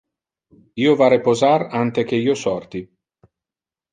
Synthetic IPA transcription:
iːovaɾepozarant̪ek̟eiːosɔrt̪i

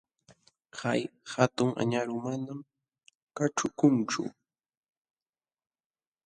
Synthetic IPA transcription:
kajhat̪ʊŋʔa̰ɲaɾʊmanam | kaʈ͡ʂʊkʊnt͡ʃʊ̰

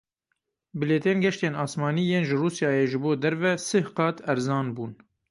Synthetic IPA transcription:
bɨleːt̪eːnɡɛʃt̪eːnɑːsmɑːniːjeːnʒɨruːsjɑːjeːʒɨboːd̪ɛɾvɛsɨhqɑːt̪ʰɛɾzɑːnbuːn

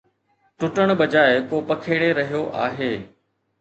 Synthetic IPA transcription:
ʈʊʈəɽ̃ɓɐd͡ʑaːɪkoːpɐkʰeːɽeɾɐɦijoʔa̰ːɦeː

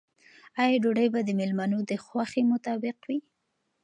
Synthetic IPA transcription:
ajɑɖoɖəjbad̪əmɪlmanod̪əxwaxemʊt̪ɑbɪqwi

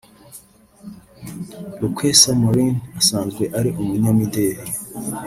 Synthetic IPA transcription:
ɾukwesamoɾinasaːnzɡwe̞ʔaɾiʔumuɲamideːɾe

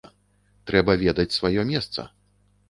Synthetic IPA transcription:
t̪ɾɛbɐvʲɛd̪ɐt͡sʲsvajɔmʲɛst̪sɐ̰

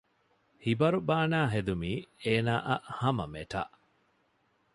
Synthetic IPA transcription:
hibɐɾubaːnaːɦed̪umiːeːnaːʔɐʔhɐmɐmeʈa̰ʔ

